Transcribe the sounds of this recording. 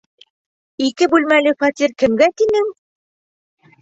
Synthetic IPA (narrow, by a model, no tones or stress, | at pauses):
ikɘbʉlmælɘfɑt̪ʲirkɘ̆mɡæt̪inɘŋ